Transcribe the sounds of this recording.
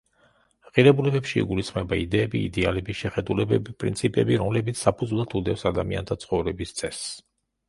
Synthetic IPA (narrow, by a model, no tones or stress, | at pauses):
qʼiɾɛbulɛbɛpʃḭːɡulisχmɛbaid̪ɛːbḭːd̪ɛalɛbiʃɛχɛd̪ulɛbɛbipʼɾḭnt̪sʰipʼɛbiɾɔmlɛbit̪sʰsapʰud̪zulˠat̪ʰud̪ɛfsad̪amia̰nt̪ʰat̪sʰχɔvɾɛbist̪sʼʰɛs